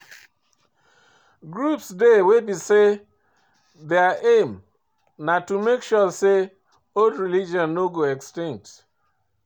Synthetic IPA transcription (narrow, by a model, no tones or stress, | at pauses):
ɡɾupsdewebise | deaʔẽm | natumekʃɔse | oldɹilid͡ʒɔ̃nːoɡoɛkstĩŋk̚t